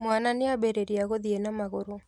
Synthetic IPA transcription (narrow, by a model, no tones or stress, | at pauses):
mwananɪabeɾeɾiaɣoðienamaɣoɾo